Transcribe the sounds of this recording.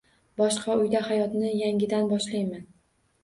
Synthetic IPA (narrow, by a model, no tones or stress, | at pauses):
bɒʃqʰɑʊjd̪ahajɒt̪nɪjaŋʲɪd̪anbɒʃlajman